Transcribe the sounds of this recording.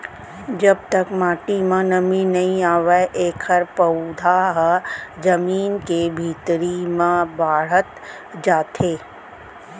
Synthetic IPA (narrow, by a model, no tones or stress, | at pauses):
d͡ʒɐb̚t̪ɐkmaːʈimãnɐmĩnɐɦĩaːʋeʔeːkʰəɾpɐʊd̪ʱaːɦd͡ʒɐmiːnkebʱiːt̪ɾimãbaːɽət̪ | d͡ʒaːt̪ʰeː